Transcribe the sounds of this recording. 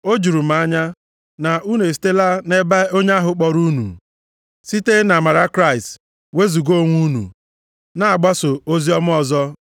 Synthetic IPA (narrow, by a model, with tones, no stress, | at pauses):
o˦d͡ʒu˨ɾu˨m̩˨˦a˦ɲa˦ | na˨ʔu˦ne˨s̬i̥˨˦te˦la˦ne˦ba˦o˦ɲ˦a˦ɦʊ˨k͡pɔ˨ɾu˦nṵ˨ | si˦te˦na˨ma˨ɾa˦kɾa˦i˨st | we˦zu˨ɡo˦˨ŋʷu˦nṵ˨ | na˨a˨ɡ͡ba˦so˨o˦zi˦ɔ˦m̩˦ɔ˨zɔ˦